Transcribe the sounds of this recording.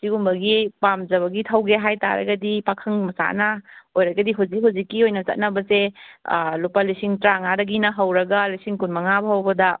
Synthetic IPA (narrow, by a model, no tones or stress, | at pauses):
siɡumbɐɡipamzɐβɐɡitʰɐwɡeɦajta̰ɾɐ̰ɡɐdipakʰɐŋmɐsa̰nɐojɾɐɡɐdiɦuwzik̚ɦuwzikːiojnɐt͡ʃɐ̰t̚nɐbɐse | lupalisiŋtɾaŋaɾɐɡinɐɦɐwɾɐɡɐlisiŋkunmɐŋabɐɦɐwbɐdɐ